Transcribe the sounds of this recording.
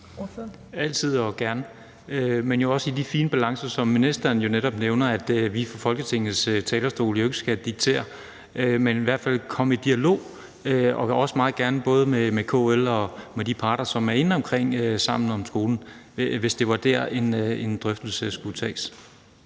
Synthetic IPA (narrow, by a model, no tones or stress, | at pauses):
æl̰t͡sʰið̰ˠɒ̽ɡ̥æɐnə | ømenjo̝ɒ̽sid̥ifiːnəb̥ælɑ̈ŋsɐsɒ̽mːinisd̥ɐːnjo̝neɾ̥ɒ̽b̥neʊnɐæd̥ʋifɒfɒ̽lɡ̥ət͡sʰe̝ŋ̰nð̩ˠst͡sʰɛːlɐsd̥o̝̰ːljoe̝ɡ̥əsɡ̥æd̥iɡ̥̚t͡sʰe̝̰ːɐ | ømeniʋæɐ̰d̥fæl̰kʰɒ̽məid̥iælo̝̰ː | øɒ̽ɒ̽smɑ̈ːð̩ˠɡ̥æɐnəb̥ɔ̽ːð̞ˠəmemekʰo̰ːelɒ̽med̥ipʰɑ̈ːɾ̥ɐsɒ̽mæɐe̝nɒ̽mkʰʁeŋ̰øsɑ̈m̰n̩ɒ̽msɡ̥o̝ːln̩ | ʋe̝sd̥e̝ʋɑ̈d̥æɐe̝nend̥ʁœfd̥l̩səsɡ̥ut͡sʰɛ̰ːs